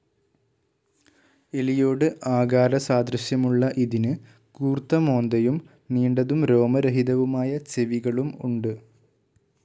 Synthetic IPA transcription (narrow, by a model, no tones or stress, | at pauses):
elijo̞ːɽɨʔaːɡaːɾɐsaːd̪ɾɐɕjɐmuɭːɐʔiðinɨ | kuːrt̪ːɐmo̞ːnd̪ɐjum | niːɳɖɐðumɾo̞ːmɐɾeɦiðɐʋumaːjɐt͡ɕeʋiɣɐɭumṵɳɖɨ